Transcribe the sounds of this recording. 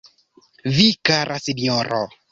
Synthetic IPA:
vikaɾʔasinɔɾo

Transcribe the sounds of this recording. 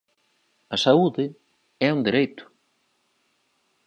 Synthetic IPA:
asauðɪ | ɛund̪iɾejt̪ʊ̥

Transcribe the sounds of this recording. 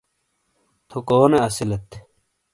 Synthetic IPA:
t̪ʰokoːneɐsilet̪ʰ

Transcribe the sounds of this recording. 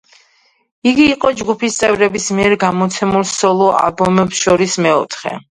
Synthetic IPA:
iɡiːqʼɔd͡ʒɡupʰist̪sʼɛvɾɛbismiɛɾɡamɔt̪sʰɛmulˠsɔlˠɔa̰lˠbɔmɛpsʃɔɾismɛɔt̪ʰχɛ̰

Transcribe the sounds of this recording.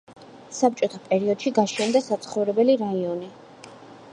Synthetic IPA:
sap̚t͡ʃʼɔt̪ʰapʼɛɾiɔd̪̥ʃiɡaʃɛnd̪asat̪sʰχɔvɾɛbɛliɾaiɔni

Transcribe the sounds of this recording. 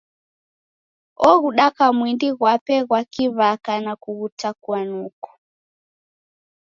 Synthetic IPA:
ɔɣuɗakamwindiɣwapɛɣwakiβakanakuɣutakuanukɔ̥

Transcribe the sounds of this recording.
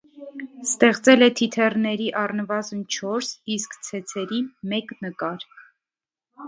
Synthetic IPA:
st̪ɛχt͡sɛlɛt̪ʰit̪ʰɛrnɛɾiʔɑrnəvɑzənt͡ʃʰɔɾsiskt͡sʰɛt͡sʰɛɾimɛknəkɑɾ

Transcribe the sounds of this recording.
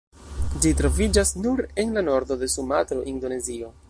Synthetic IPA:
d͡ʒitɾo̞vid͡ʒasnuɾe̞nlano̞ɾdo̞de̞sumatɾo̞ʔind̪o̞ne̞zio̞

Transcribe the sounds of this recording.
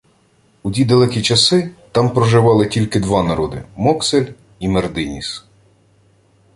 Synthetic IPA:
udʲid̪ɐlˠɛkʲit͡ʃɐsɪt̪ɑmpɾɔʒɪʋɑlˠɪtʲilʲkɪd̪ʋɑnɐɾɔd̪ɪ̰mɔkselʲ | imerd̪ɪnʲḭs

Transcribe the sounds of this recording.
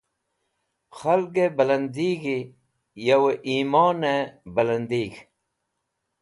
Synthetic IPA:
xɐlɡebɐlɐnd̪iːɡi | jɐweʔiːmaːnebɐlɐnd̪iːɡ

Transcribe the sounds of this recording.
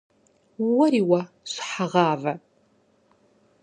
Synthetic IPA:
wɐɾiːwɐ | ɕʷħaʁɑːvɐ

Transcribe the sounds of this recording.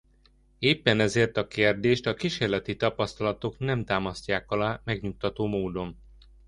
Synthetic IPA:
eːpːɛnɛzeːrt̪ɒkeːrd̪eːʃt̪ɒkiʃeːrlɛt̪it̪ɒpɒst̪ɒlɒt̪o̞knɛmt̪aːmɒsc̪aːkɒlaːmɛɡɲuk̚t̪ɒt̪oːmoːd̪o̞m

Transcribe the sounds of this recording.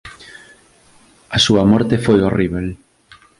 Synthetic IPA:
ɐsuɐmɔɾt̪efojoriβel

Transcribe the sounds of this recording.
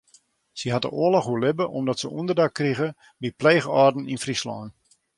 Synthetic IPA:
siɦat̚də̰ʔoəlɔxɦuəlɪbəʔɔmdɔtsəundərdakːriɣə | bipleːɣɔːrdn̩infrislɔ̰ːn

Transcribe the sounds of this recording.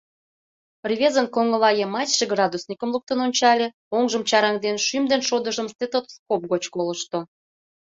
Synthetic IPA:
prʲβʲezənkoŋəlɑjemɑtʲʃeɡrɑd̪usnʲikə̆mlˠuk̚t̪ənonʲt͡ɕɑlʲe | oŋʒəmt͡ɕɑɾɑŋd̪enʃymd̪enʃod̪əʒə̆mst̪et̪ot̪skop̚ɣot͡ɕkoləʃt̪o

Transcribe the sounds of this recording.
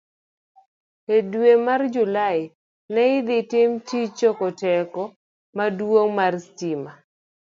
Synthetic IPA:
edwemard͡ʒulaɪ | nɛɪd̪ɪtɪmtit͡ʃokɔtɛkɔ | madwoŋmarstima

